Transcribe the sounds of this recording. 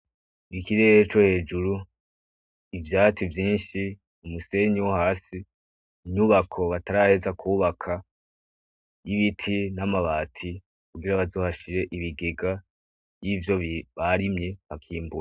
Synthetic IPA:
ikiɾeɾet͡ʃo̞he̞ːd͡ʒuɾu | ivjaːtivjiːnʃi | umuse̞ɲiwohaːsi | ɲuβakʰo̞βataɾahe̞zakʰuːβakʰa | jiβitʰinamaβatʰi | kuɡiɾaβazoːhaʃiɾe̞ʔiβiɡeɡa | jiːvjo̞βaɾimɲe̞βakʰiːmbuɾa

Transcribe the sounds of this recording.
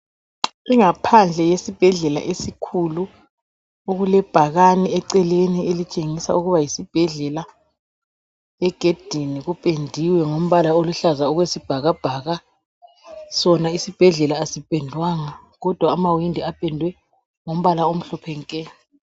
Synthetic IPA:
iŋapʰand͡ɮʱɛjesib̥ʱɛɮɛla̰ʔesikʰulu | oɣulɛb̥ʱaɣaniɛǀɛlenielit͡ʃʼeŋisa̰uɣuβajisib̥ʱɛɮɛla | ɛɡ̥ʱed̥ʱiniɣupʼendʱiwɛŋom̩βalaoluɬazaɔɣwesib̥ʱaɣab̥ʱaɣa | sɔnaisib̥ʱɛɮɛlaːsipʼɛndʱwaŋa | ɣɔd̥ʱwaːmawindʱiapʼɛndʱwɛ | ŋom̩βalaom̩ɬɔpʰɛŋkʼɛːn

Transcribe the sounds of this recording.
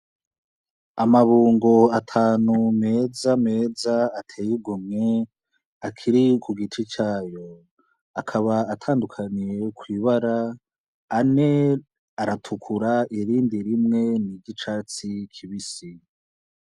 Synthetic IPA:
amaβuːŋɡo̞atʰaːnume̞ːzame̞ːzaːtʰeːjuɡumŋe̞ | akʰiɾikuɡit͡ʃit͡ʃaːjo̞ | akʰaβaatʰaːndukʰaniɾe̞kwiːβaɾaː | ne̞ | aɾatʰukʰuɾaiɾiːndiɾimŋe̞niɟit͡ʃaːt͡sikʰiβisi

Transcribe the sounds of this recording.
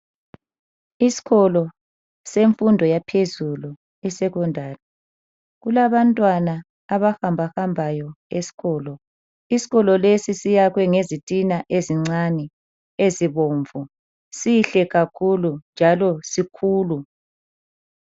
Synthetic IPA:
isi̥ɣɔlɔ | seɱfundʱɔjapʰezulu | isɛɣɔndʱaːlɛ | ɣulaβantʼwanaː | βahambʱahambʱajɔ | esi̥ɣɔːlɔ | isi̥ɣɔlɔlesisijakwɛŋezitʼinaʔeziŋ͡ǀanɛ | eziβoɱvu | siɬɛɣakʰulund͡ʒʱalɔsikʰuːlu

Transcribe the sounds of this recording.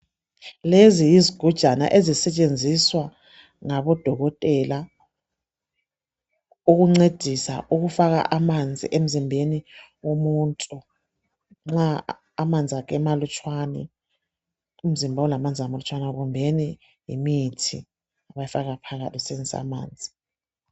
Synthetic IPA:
lezijiziɡ̥ʱud̥ʒ̥ʱana̰ʔezisɛt͡ʃʼend͡zʱiswa | ŋaɓɔd̥ʱɔɣɔtʼɛla | uk̬uŋ͡ǀed̥ʱisa̰ʔuk̬ufak̬a̰ʔamand͡zʱḭʔem̩zimbʱeniwomuntʼu | ŋ͡ǁaː | mand͡zʱiakʰɛmalut͡ʃʰʼwanɛ̰ | um̩zimbʱaɔlamand͡zʱiamalut͡ʃʰʼwanaɣumbʱeni | jḭmitʰḭ | aβajifaɣapʰaɣatʰisend͡zsa̰ma̰ːnd͡zʱi

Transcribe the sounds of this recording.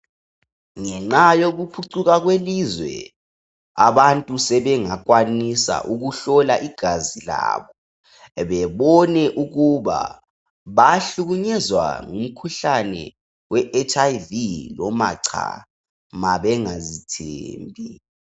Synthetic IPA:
ŋɛŋ͡ǁajoɣupʰuǀuɣaɣwelizwɛ̰ | aβantʼusɛβɛŋakʼwanisa̰ʔuɣuɬɔlaʔiɡ̥ʱazila̰ːβɔ | βɛβɔnɛʔuɣuβa̰ | βaɬuɣuɲɛzwa̰ŋum̩kʰuɬanɛ̰ | wɛʔɛt͡ʃʼaivilɔma̰ǀʰa̰ | maβɛŋazitʰḛːmbʱi

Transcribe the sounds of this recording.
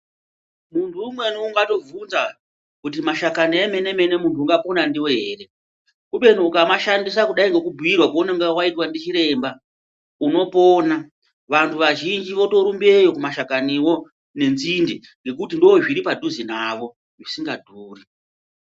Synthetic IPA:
muntʰuːmwe̞nuuŋɡato̞vunza | kutimaʃakanieme̞ne̞me̞ne̞muntʰuuŋɡapo̞nandiwoɦeːɾe̞ | kuɓe̞nuukamaʃandisakuɗaiŋɡe̞kubʱuirwakuonaŋɡawaitwandit͡ʃiɾe̞mba | uno̞po̞ːna | ʋantʰuʋaʒind͡ʒiʋo̞to̞ɾumbie̞jo̞kumaʃakaniwo̞ | ne̞nzinde | ŋɡe̞kutindooʐiɾipadʱuzinaʋo̞ | ʐisiŋɡadʱuːri

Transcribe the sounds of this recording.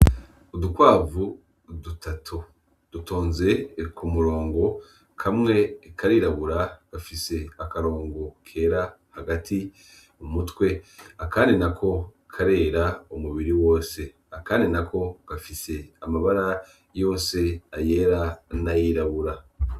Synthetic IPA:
odukwaːvu | dutatʰu | d̥utoːnze̞kʰumuɾo̞ːŋɡo̞ | kʰamŋe̞kʰaɾiːɾaβuɾaɡ̥afise̞akaɾo̞ːŋɡokʰe̞ːɾa | haɡati | umutwe̞akaːndinakʰo̞ | kʰaɾe̞ːɾaomuβiɾiwo̞ːse̞ | akaːndinakʰo̞ɡ̥afise̞amaβaɾa | jo̞ːnse̞aje̞ːɾanajiːɾaβuɾa

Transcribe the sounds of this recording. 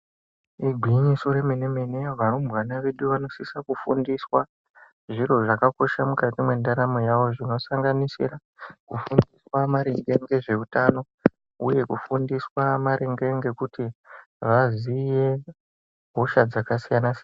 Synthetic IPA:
iɡʱwiɲiso̞ɾemeneme̞neʋanombwanaʋeɗuʋano̞sisakufundiswa | ʐiro̞ʐakako̞ʃamukatimwendaɾamojaʋo̞ʐino̞saŋɡanisḭɾa | kufundiswamaɾeŋɡe̞ŋɡe̞ʐe̞utano̞ | uje̞kufundiswamaɾeŋɡe̞ŋɡe̞kuti | ʋazije̞ | bʱoʃad͡zakasijanasn

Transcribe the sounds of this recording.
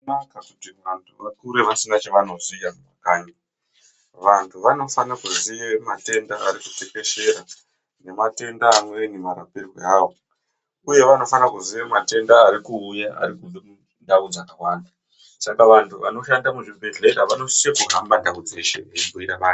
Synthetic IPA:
akakutiʋantʰuʋakuɾeʋasinat͡ʃeʋanozijamakaːɲa | ʋantʰuʋano̞fanakuziemate̞ndaːɾikuteke̞ʃe̞ɾa | ne̞mate̞ndaːmwe̞nemaɾapirwḛaːwo | uje̞ʋano̞fanakuziʋemate̞ndaːɾikuːjaʔa̰ɾikumbemu | ndaud͡zakawaːnda | sakaʋantʰuʋano̞ʃandamuʐibʱeɮe̞ɾaʋano̞sijekuɦambadaud͡zeʃḛekuiɾaʋaː

